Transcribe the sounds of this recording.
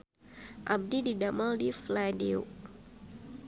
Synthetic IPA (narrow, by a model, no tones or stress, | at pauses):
ʔab̚dididamaldifladiṵ